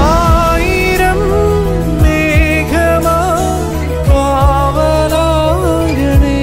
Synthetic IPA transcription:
aːji | ɾɐm | neː | ɡʱɐma | baː | ʋɐlaː | ɡɐne

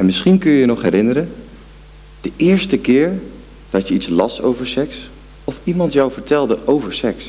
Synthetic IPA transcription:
ɛnmɪsχinkɵnjəjənɔχɦɛɾɪnəɾə | d̥əʔɪːɹstəkɪːɹ | d̥ɑtjəitslɑso̰wvəɹsɛks | ɔfimɑntjawvəɹtɛlˠdəʔowvəɹsɛks

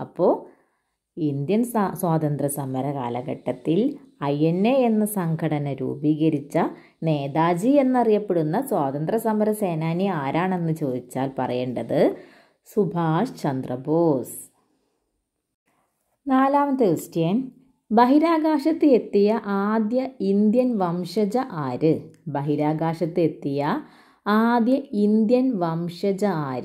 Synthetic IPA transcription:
ɐpːo̞ː | ind̪jɐnswaːd̪ɐnd̪rɐsɐmɐɾɐka̰ːlɐɣɐʈːɐt̪ːilɐjenːee̞nːɨsɐŋɡʱɐɽɐnɐɾṵːbiːɣɐɾit͡ɕːɐ | ne̞ːðaːd͡ʑie̞nːɐrijɐpːe̞ɽunːɐswaːt̪ɐnd̪rɐsɐmɐɾɐseːnaːniaːɾaːɳe̞nːɨt͡ɕo̞ːd̪it͡ɕːa̰ːlpɐ̰rɐ̰jeːɳɖɐðɨ | subʱaːʂt͡ɕɐnd̪rɐboːs | naːlaːmɐt̪ːɨistjen | bɐɦiɾaːɡaːʂɐt̪ːɨe̞t̪ːijɐʔaːd̪jɐind̪jɐnʋɐmʂɐd͡ʑɐʔaːɾɨbɐɦiɾaːɡaːʂɐt̪ːɨe̞t̪ːijɐ | aːd̪jɐind̪jɐnʋɐmʂɐd͡ʑɐaːɾɨ

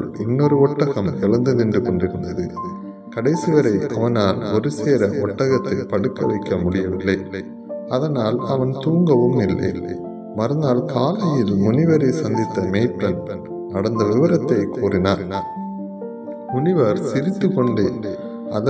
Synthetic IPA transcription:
ɭʔɛnːɔɾɯɔʈːɐɣɐmɛɭɐnd̪ɯðɪndrɯkɔɳɖɪɾɯnd̪ɐðɯ | kɐɽɐɪsɪʋɐɾɐɪʔɐʋɐnaːlɔɾɯseːɾɐɔʈːɐɣɐt̪ːɐɪpɐɽɯkːɐʋɐɪkːɐmʊɽɪjɐʋɪlːɐɪ | ɐðɐnaːlɐʋɐnt̪uːŋɡɐʋɯmɪlːɐ̰ɪ | mɐɾɯnd̪aːlkaːlɐjɪlmʊnɪʋɐɾɐɪsɐnd̪ɪt̪ːɐmeːʈːɐn | nɐɽɐnd̪ɐʋɪʋɐɾɐt̪ːɐɪkːuːrɪnaːɾ | mʊnɪʋɐɾsɪɾɪt̪ːɯkɔɳɖeː | ɐð

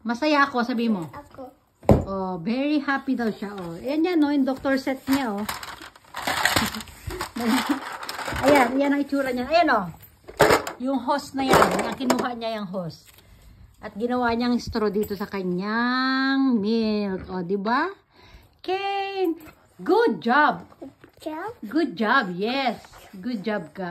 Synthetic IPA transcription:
mɐsɐjaʔɐko̞sɐbiːhɪmo | ʔovɛɹihaːpid̪ɐwʃaʔoɐjɐnjanːoɪnd̪ok̚t̪oɹsɛt̪̚ɲaʔo | nɐ | ʔɐjanɪjanɐŋɪt͡ʃuːɾɐɲanɐjano | jʊŋɦost̪̚nɐjanɐŋkɪnuːɦɐʔɲajɐŋɦost̪ | ʔɐt̪̚ɡɪnɐwaːɲaŋɪst̪ɾod̪iːt̪o̞sɐkɐɲaŋmɪlʔod̪ɪba | kɛn | ɡʊd̪̚d͡ʒab̚ | ɡʊd̪̚d͡ʒabjɛsɡʊd̪̚d͡ʒab̚ka

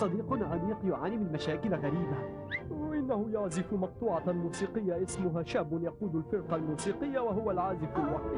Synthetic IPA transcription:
sˤɑd̪iːqʊnʕamiːqjʊʕaːnimɪnlmaʃaːkɪlɣaɾiːba | ʔɪnːahʊjaʕzɪfmɑq̚t̪ˤuːʕɑmuːsiːqɪjːaʔɪsmʊɦaːʃaːbːʊnjɑquːd̪alfɪɾqɑlmuːsiːqɪjːawaɦʊwalʕaːzɪfɪlwɑq̚t̪

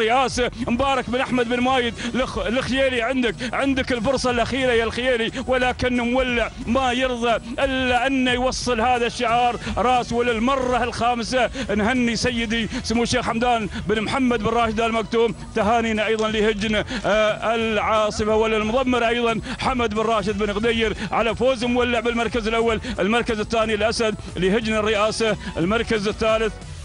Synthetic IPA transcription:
ɪʔaːsambɑːɾˤɑkbɪnʔaħmad̪bɪnmaːjɪd̪llɪxjeːliʕɪnd̪ɪkʕɪnd̪ɪkɪlfʊɾsˤɑlʔaxiːɾajalxjeːliwɪlaːkɪnːmwalːɪʕmajɨɾðˤɑʔɪlːaʔanːajwɑsˤːɨlhaːðaʃːɪʕɑːɾˤɾˤɑːswɪlɪlmɑrˤːɑlxaːmsanhanːisajːɪd̪ismːuːʃːeːxħamd̪aːnbɪnmħamːad̪bɪnˤɑːʃɪd̪almak̚t̪uːm | t̪aɦaːniːnaʔɑjðˤɑnlihɪd͡ʒnaɪlʕɑːsˤɨfawalːalmʊðˤɑmːɪɾʔɑjðˤɑnħamad̪bɪnrˤɑːʃɪd̪̚bɪnɣd̪ajːɪɾʕalafoːzmwalːɪʕbɪlmɑɾˤkazɪlʔawːalɪlmɑɾˤkazɪθːaːnilʔasad̪ | lihɪd͡ʒnarːɪʔaːsaʔɪ̰lmɑɾˤkazɪθːaːlɪθ

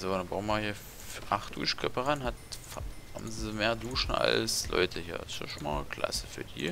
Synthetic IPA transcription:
zoːnəbaʊmahiːɐ | ʔaχt̚d̥ṵːʃkʰœpəʁanhatfha̰bmzəmeːɐduːʃn̩̰a̰lslʔɔ̰ʏtʰəhiːɐsɪʃmaːkʰl̥a̰səfyːɐdḭː

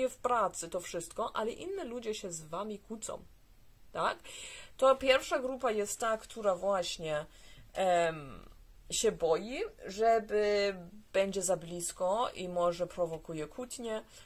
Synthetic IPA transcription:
jɛfpɾat̪sɘt̪ɔfʂɘst̪kɔʔa̰lɛʔinːɛlud͡ʑɛɕɛzvamʲikut̪sɔ̰̃w̃ | t̪akt̪ɔpʲjɛɾfʂaɡɾupajɛst̪ːakt̪ʰuɾavwaɕɲɛ | ɕɛbɔjiʐɛbɘb̥ɛɲd͡ʑɛzablʲiskɔimɔʐɛpɾɔvɔkujɛkʰut̪ɲɛ

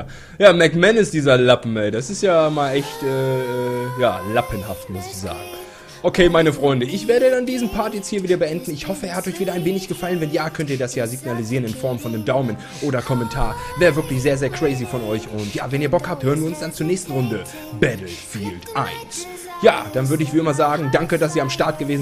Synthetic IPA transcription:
jaːmɛkmɛnɪstd̥iːzɐlapm̩ɛdasɪstjaːmaːlʔɛçtʔɛːʔɛjaːlapənhaftmʊsɪçz̥a̰ːɡŋ̩ | ʔokʰeːmaɪnəfʁ̥ɔʏndəʔɪçv̥eːɐɾədandiːzn̩pʰaɐtjɛt͡sthiːɐviːdɐbəʔɛndn̩ɪçhɔfəeɛːɐhatɔʏçv̥iːdɐaɪnveːnɪçɡ̥əfalənvɛnjaːkʰœntiːɐdasjaːziɡnaliziːʁənɪnfɔɐmfɔndeːmdaʊmən | ʔoːɾɐkʰɔmɛntʰaːɐvɛːʁəvɪɐklɪçz̥eːɐzeːɐkʁ̥ɛɪzifɔnɔʏçʊntja̰ːvɛniːɐbɔkhaːp̚thøːʁənviɐʊnsd̥ant͡suɐnɛːçstn̩ʁʊndə | bɛtl̩fḭːltʔa̰ɪns | ja̰ːd̥anvʏɐɾəɪçv̥iːɪmɐzaːɡŋ̩daŋkədas̬iːɐamʃtaɐt̚ɡ̥əveːzn̩

